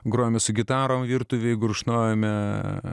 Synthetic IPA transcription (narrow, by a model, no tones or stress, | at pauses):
ɡɾoːjmʲɛsʊɡʲɪt̪ɑːɾoːmʋʲiːrt̪ʊʋʲeɪɡɾʊʃnoːjɛmʲɛ